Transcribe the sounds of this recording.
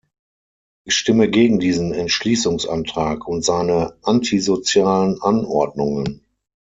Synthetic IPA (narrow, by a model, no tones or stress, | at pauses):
ʔɪçʃtɪməɡeːɡŋ̩diːzn̩ɛntʃliːsʊŋsʔa̰ntʁ̥aːkʰʊntz̥aɪnəʔantʰizot͡sjaːlənʔanʔɔɐdnʊŋən